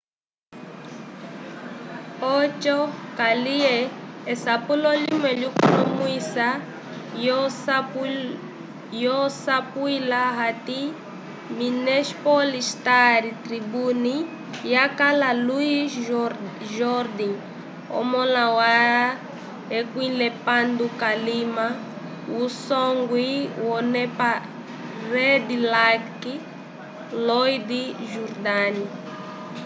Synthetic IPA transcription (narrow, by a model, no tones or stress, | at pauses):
ɔt͡ʃɔkalieːsapulɔlimɛʎukunɔmuisa | jɔs | jɔsapuilaɦat̪i | minɛspɔlist̪aɾit̪ɾibuni | jakalalui | ʒɔɾd̪iŋ | ɔ̰mɔlawa | ekwilɛpand̪ukalima | wusɔŋɡwiwɔnɛpa | rɛd̪ilaki | lɔjd̪iʒuɾd̪ani